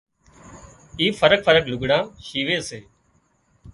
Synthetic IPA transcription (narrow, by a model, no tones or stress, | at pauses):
iːfəɾək̚fəɾəklʊɡɽãːʃiːʋeːseː